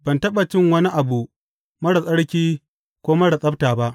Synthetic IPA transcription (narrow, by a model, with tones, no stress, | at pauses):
b̥ɐ˨ntɐ˦ɓɐ˨t͡ʃɪ˦˨ŋwɐ˦ni˦ʔa˨bu˨ | mɐ˦ɽa˨sʼɐ˦ɽkʲiː˦ | kʷoː˦mɐ˦ɽa˨sʼɐ˦b̚taː˨ba˦ʔ